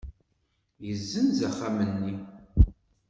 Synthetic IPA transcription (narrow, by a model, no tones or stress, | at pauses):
jəzːənzæχamənːi